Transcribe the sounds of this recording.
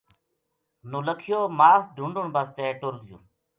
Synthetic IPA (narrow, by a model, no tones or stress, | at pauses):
nuləkʰjoːmaːsd̪ʱuɳɖuɳbɐst̪eːʈolɡjṵː